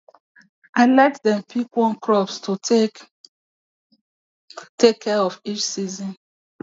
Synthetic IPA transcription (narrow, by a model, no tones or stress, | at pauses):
ʔaɪlɛtdɛ̃mpʰikwɔ̃nkɹɔpstʰo | tekʰːɛɔfit͡ʃsizɔ̃n